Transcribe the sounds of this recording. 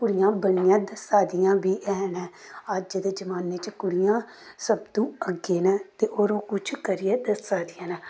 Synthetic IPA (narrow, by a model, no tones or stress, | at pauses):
kʊɽɪjãːbəɳɪjãːd̪əsaːd̪ɪjãːbiːʔɛːnɛ̃ːəd͡ʒd͡ʒd̪eːd͡ʒəmaːneːt͡ʃkʊɽɪjãː | səbd̪ũːəɡeːnɛːt̪eːʔoːɾõːkʊt͡ʃʰkəɾɪjeːd̪əsaːd̪ɪjãːnɛː